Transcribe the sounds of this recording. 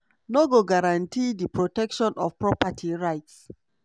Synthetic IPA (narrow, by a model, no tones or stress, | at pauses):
noɡoɡaɹãntʰidipɹotɛkʃɔ̃nɔfpɹɔpatʰiɹaɪts